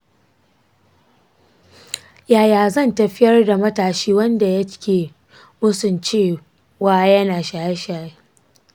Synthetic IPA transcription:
jaː˨jaː˨zɐ˦˨ntɐ˨ɸɪ˦jɐ˦rda˨mɐ˦taː˨ʃiː˦wɐ˦nda˨jɐ˦kʲeː˨ | mʊ˦sʊ˨nt͡ʃeː˦˨ | waː˨jɐ˦naː˨ʃaː˨je˦ʃaː˨je˦

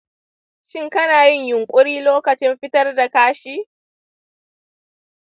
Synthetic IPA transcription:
ʃɪ˦ŋkɐ˦naː˨jɪ˦˨ɲjʊ˨ŋkʷʼʊ˦ɽiː˦loː˦kɐ˨t͡ʃɪ˦mɸɪ˦tɐ˦rda˨kaː˦ʃiː˦

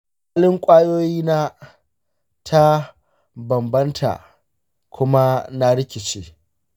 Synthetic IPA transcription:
a˦lɪ˦ŋkʷʼaː˦joː˦jiː˦naː˦ | tʰa˦ | bɐ˨mbɐ˦ntʰa̰˨ | kʷʰʊ˦ma˦na˦ɽɪ˦kʲɪ˨t͡ʃeː˦

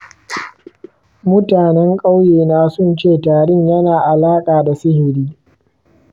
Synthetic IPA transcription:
mʊ˦taː˨nɛ˦ŋkʼa˦wjeː˨naː˨sʊ˦˨nt͡ʃeː˦˨taː˨ɽɪ˦ɲjɐ˦naː˨ʔa˨laː˦kʼaː˨da˨sɪ˦hɪ˨ɽiː˦

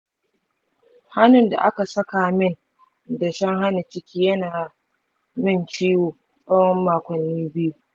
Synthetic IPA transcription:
ha˦nʊ˨nda̰˨ʔa˦ka˨sɐ˦ka˨mɪ˦n | da˨ʃɐ˦ŋɦa˦na˨t͡ʃɪ˦kʲiː˦jɐ˦naː˨ | mɪ˦nt͡ʃiː˦woː˨ | sʼɐ˦wɔ˦mːaː˨kʷɔ˨nːiː˦bɪ˦ju˦

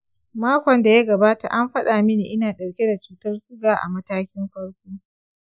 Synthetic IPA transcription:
maː˦kʷɔ˨nda˨ja˦ɡɐ˨baː˦ta̰˨ʔa˦mɸɐ˦ɗaː˨mɪ˦niː˨ʔɪ˦naː˨ɗɐ˨wkʲe˦da˨t͡ʃuː˨tɐ˦rsʊ˦ɡaː˨ʔa̰˨mɐ˦taː˦kʲɪ˦mɸɐ˦ɽkʷoː˦

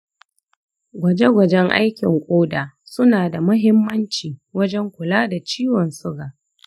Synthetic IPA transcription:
ɡʷɐ˨d͡ʒe˦ɡʷɐ˨d͡ʒɛ˦ŋʔa̰˦jkʲɪ˨ŋkʷʼoː˦daː˨sʊ˦naː˨da˨mʊ˦ɦɪ˦mːɐ˦nt͡ʃiː˨wɐ˦d͡ʒɛ˦ŋkʷʊ˨laː˦da˨t͡ʃiː˦wɔ˨nsʊ˦ɡaː˨ʔ

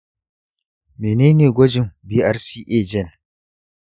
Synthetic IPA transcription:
meː˨neː˦neː˨ɡʷɔ˦d͡ʒɪ˨ŋbiː˦ʔa˦ɾsiː˦ʔeː˦˨d͡ʒɛ˦˨n

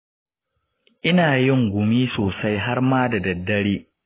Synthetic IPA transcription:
ʔɪ˦naː˨jɪ˦˨ŋɡʷʊ˨miː˦soː˨sa˦jɦa˦rmaː˦da˨dɐ˨dːɐ˦ɽeː˦

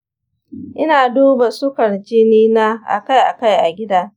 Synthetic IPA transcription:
ʔɪ˦naː˨duː˦ba˨sʊ˦kɐ˨rd͡ʒɪ˦niː˦na˦ʔa̰˨ka˦jʔa̰˨ka˦jʔa˨ɡʲɪ˦daː˦

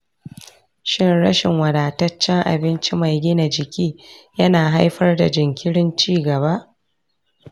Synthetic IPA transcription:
ʃɪ˦nɽɐ˦ʃɪ˨ŋwɐ˨ɾaː˨tɐ˦t͡ʃːɛ˦ŋʔa̰˨bɪ˦nt͡ʃi˦ma˨jɡʲɪ˦na˨d͡ʒɪ˨kʲiː˦jɐ˦naː˨ɦa˦jɸɐ˦rda̰˨d͡ʒɪ˨ŋkʲɪ˦ɽɪ˦nt͡ʃiː˦ɡɐ˨βa˦ʔ

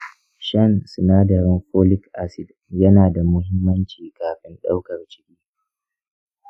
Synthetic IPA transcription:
ʃɐ˦˨nsʊ˨naː˦dɐ˨ɾɪ˦ŋkoː˦lɪ˦kʔa˦sɪ˨d | jɐ˦naː˨da˨mʊ˦ɦɪ˦mːɐ˦nt͡ʃiː˨kaː˨ɸɪ˦nɗa˦wkɐ˨rt͡ʃɪ̥˦kʲiː˦

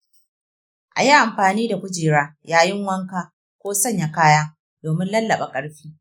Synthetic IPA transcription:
ʔa̰˨ji˦ʔa˨mɸaː˨niː˦da˨kʷʊ˦d͡ʒiː˨ɾaː˦jaː˦jɪ˦ŋwɐ˦ŋkaː˦ | kʷoː˦sɐ˦˨ɲja˨kaː˦jaː˦ | doː˨mɪ˦nlɐ˦lːɐ˨ɓa˨kʼɐ˦ɽɸiː˦

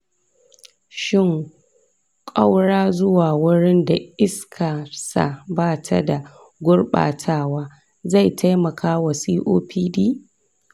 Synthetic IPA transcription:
ʃɪ˦˨ŋ | kʼa˦wɽaː˦zʊ˦waː˨wʊ˦ɽɪ˦nda˨ʔɪ˦skʰa˨sa̰˨baː˦˨tʰa̰˦da˨ | ɡʷʊ˦ɽɓa̰ː˨tʰaː˦waː˦ | za˦˨jtʰa˦jmɐ˨kʰaː˦wɐ˨siː˦ʔo̰ː˦piː˦diː˦

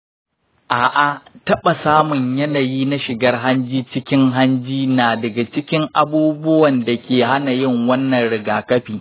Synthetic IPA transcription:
ʔaː˨ʔa˨tɐ˦ɓa˨saː˦mʊ˨ɲjɐ˦naː˨jiː˦na˦ʃɪ˨ɡɐ˦rɦa˦nd͡ʒiː˦t͡ʃɪ˦kʲɪ˦ŋɦa˦nd͡ʒiː˦naː˨dɐ˨ɡa˨t͡ʃɪ˦kʲɪ˦ŋʔa˨buː˦bʊ˦wɐ˨nda˨kʲeː˨ha˦na˨jɪ˦ŋwɐ˦nːɐ˨nɽɪ˨ɡaː˨kɐ˦ɸiː˨

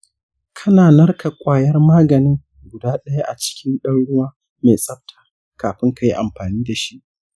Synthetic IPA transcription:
kʰɐ˦naː˨nɐ˦rkʰa˨kʷʼaː˨jɐ˦rmaː˦ɡɐ˨nɪ˦ŋ | ɡʷʊ˨daː˦ɗɐ˦ja˦ʔa˨t͡ʃɪ̥˦kʲɪ˦nɗɐ˦nɽʊ˦waː˦ | me˨sʼɐ˦ɸ̚tʰḁː˨ | kaː˨ɸɪ˦ŋka˦ji˦ʔa˨mɸaː˨niː˦da˨ʃi˦ʔ

